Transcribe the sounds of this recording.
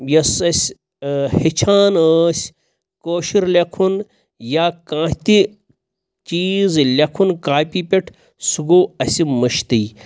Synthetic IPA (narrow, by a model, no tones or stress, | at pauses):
jɐsɐsʲ | hit͡ʃʰaːnəːsʲ | koːʃiɾlʲɐkʰun | jaːkãːt̪i | t͡ʃiːzlʲɐkʰunkaːpʲiːpʲeʈʰ | suɡoːɐsimɐʃt̪ɨj